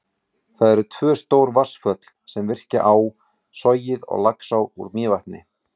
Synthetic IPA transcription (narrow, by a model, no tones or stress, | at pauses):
θaðɛɾʏt̪ʰvœːst̪oːwɾvḁsfœt̪l̥sɛmvɪr̥ca̰ʔaːw | sɔjɪðɔ̰ɣlaksawṵɾmɪːvaht̪nɪ̰